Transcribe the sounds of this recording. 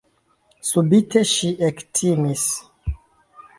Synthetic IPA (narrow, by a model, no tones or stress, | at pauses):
subitʰe̞ʃiʔektʰimis